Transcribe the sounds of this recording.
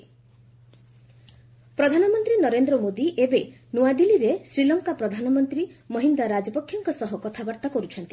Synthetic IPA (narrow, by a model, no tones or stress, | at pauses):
pɾɔd̪ʱanɔmɔnt̪ɾinɔɾend̪ɾɔmod̪iʔebe | nuad̪iliɾesɾilɔŋkapɾɔd̪ʱanɔmɔnt̪ɾimɔɦind̪aɾad͡ʒɔpɔkʰːjɔŋkɔsɔɦɔkɔt̪ʰabaɾt̪akɔɾut͡ʃʰɔnt̪i